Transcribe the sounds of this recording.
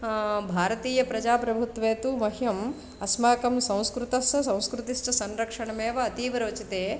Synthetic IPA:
bʱaːɾɐt̪iːjɐpɾɐd͡ʒaːpɾɐbʱut̪ʋeːt̪umɐɦjɐm | ɐsmaːkɐmsɐ̃w̃skɾut̪ɐsɐsɐ̃w̃skɾut̪iʂʈɐsɐnɾɐkʂɐɳɐmeːʋɐːt̪iːʋɐɾoːt͡ʃit̪eː

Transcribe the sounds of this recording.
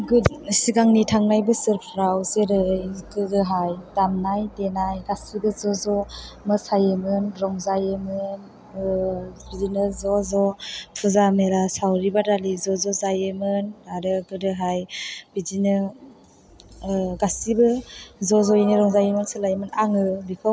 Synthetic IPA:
ɡsiɡaŋnitʰaŋnajbɯsɯɾpʰɾawseɾɯjɡɯdɯɦajdamnajdenajɡasibɯzɔzɔmɯsajɯmɯnɾɔŋzajemɯn | bizinɯzɔzɔpʰuzameɾasawɾibadalizɔzɔzajemɯnaɾɯɡɯdɯɦajb̥izinɯ | ɡasibɯzɔzɔjiniɾɔŋzajemɯnsɯlajmɯnaŋɯbikʰɔ

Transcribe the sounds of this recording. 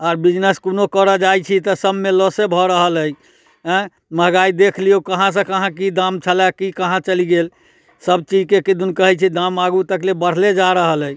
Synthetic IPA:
aɾbid͡ʒnəskonokəɾəd͡ʒajt͡ʃʰit̪əsəbmelɔsebʱɔɾəɦələj | ɦɛ̃ | məɦɡaid̪ekʰliokəɦãs̬ə̃kəɦãkid̪amt͡ʃʰəlakikəɦãt͡ʃəliɡel | səbt͡ʃid͡ʒkekid̪unkəɦɛt͡ʃʰid̪ãmaɡut̪əklebəɽ̤led͡ʒaɾəɦələj

